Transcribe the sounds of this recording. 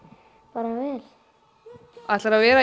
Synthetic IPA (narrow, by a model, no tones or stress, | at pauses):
paːɾavɛːl̥ | at̪laɾavɛːɾa